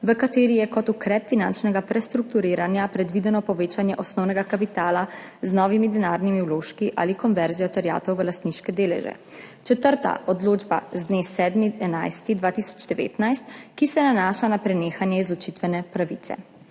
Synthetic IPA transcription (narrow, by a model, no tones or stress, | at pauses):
ʋəkat̪eːɾijɛkɔt̪ukɾɛːpfinant͡ʃnɛɡapɾɛst̪ɾuk̚t̪uɾiːɾanjapɾɛd̪ʋid̪ɛnɔpɔʋeːt͡ʃanjɛʔɔsnɔwnɛɡakapit̪aːla | znɔʋimid̪ɛnaːɾnimiɛwloːʃkiʔa̰ːlikɔnʋɛɾzijɔt̪ɛɾja̰ːt̪ɔwʋəlast̪niʃkɛd̪eːlɛ̰ʒɛ̰ | t͡ʃɛt̪əɾt̪a̰ʔɔd̪loːd͡ʒba̰zd̪neːsɛd̪miɛnajst̪id̪ʋaːt̪isɔ̥d͡ʒd̪ɛʋḛːt̪najst̪kisɛnanaːʃanapɾɛneːxanjɛizlɔt͡ʃit̪ʋɛnɛpɾaʋit̪sɛ̰